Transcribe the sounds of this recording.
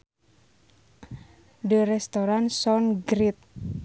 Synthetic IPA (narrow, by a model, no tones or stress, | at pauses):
ɖəɾɛst̪oɾansɔnɡɾit̪̚